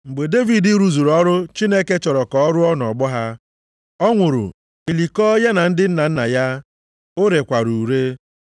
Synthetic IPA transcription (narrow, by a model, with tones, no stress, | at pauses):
ŋ͡m̩˨ɡ͡be˨de˦vi˨di˦ɾu˨zu˨ɾɔ˦ɾʊ˦t͡ʃi˦ne˦ke˦t͡ʃɔ˨ɾɔ˨kɔ˨ɔ˦ɾʊ˦ɔ˦n˨ɔ˨ɡ͡bɔ˦ɦa˦ | ɔ˦ŋʷʊ˨ɾʊ̰˨ | i˨li˨kɔ˦ja˦na˨n̩˦dɪ˦n̩˦na˨n̩˦na˨ja˦ | ʊ˦ɾe˨kʷa˨ɾu˨ɾe˦